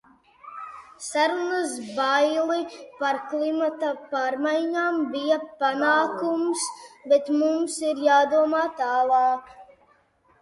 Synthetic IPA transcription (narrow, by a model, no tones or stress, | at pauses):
saɾunasbajlˠipaɾklˠimat̪ɐpaːɾmajɲaːmbijapanaːkumsbet̪mumsiɾjaːd̪uɔmaːt̪aːlˠaɑːk